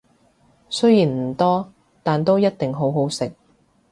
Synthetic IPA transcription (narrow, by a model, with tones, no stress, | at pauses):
sɵ˥ɥjiː˨˩nm̩˨˩t̪ɔː˥ | t̪aː˨nt̪o˥wjɐ˥t̚t̪ɪ˨ŋɦo˨˥wɦo˨˥wsɪ˨k̚